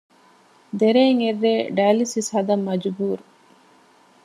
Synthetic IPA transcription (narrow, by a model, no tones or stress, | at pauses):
d̪eɾeːŋerːeːɖɐːlisishɐd̪ɐmːɐd͡ʒubuːɾu